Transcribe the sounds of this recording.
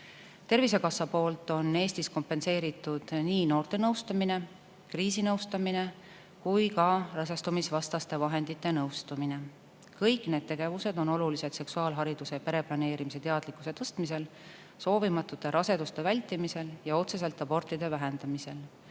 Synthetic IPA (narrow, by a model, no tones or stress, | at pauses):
t̪e̞rvise̞kɑsːɑpo̞ːlt̪ːˑo̞nːe̞ːst̪isko̞mpe̞nse̞ːɾit̪ːˑud̪̥niːno̞ːrt̪e̞nɤwst̪ɑmine̞ | kriːsinɤwst̪ɑmine̞ | kujkɑrɑs̬est̪umisvɑst̪ɑst̪e̞vɑɦe̞nd̪̥it̪ːˑe̞nɤwst̪umine̞ | kɤjkne̞ːd̪̚t̪e̞ɡ̥e̞vuse̞d̪̥o̞no̞lulise̞d̪̥se̞ksuɑːlɦɑɾid̪̥use̞pe̞ɾe̞plɑne̞ːɾimise̞t̪e̞ɑd̪likːuse̞t̪ɤst̪mise̞l | so̞ːvimɑt̪ːˑut̪ːˑe̞ɾʔɑse̞d̪̥ust̪e̞vælʲt̪ːimise̞ljɑo̞t̪se̞se̞lt̪ːˑɑbo̞rt̪ˑid̪̥e̞væɦe̞nd̪̥ɑmise̞l